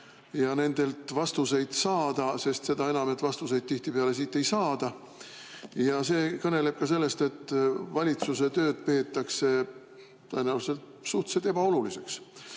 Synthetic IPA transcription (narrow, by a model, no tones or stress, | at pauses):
jɑne̞nd̪̥e̞lt̪vɑst̪use̞jd̪̥sɑːd̪̥ɑse̞st̪se̞d̪ɑe̞nɑmet̪vɑst̪use̞jd̪̚t̪iht̪ipeɑle̞siːt̪ːˑe̞jsɑːd̪̥ɑ | jɑse̞ːkɤne̞le̞b̥̚kɑse̞lːe̞st̪e̞t̪ːˑvɑlʲit̪suse̞t̪ø̞ːd̪̥̚pe̞ːt̪ːˑɑkse̞ | t̪ɤjenæwvse̞lt̪ | suht̪set̪e̞b̥ɑo̞lulise̞ks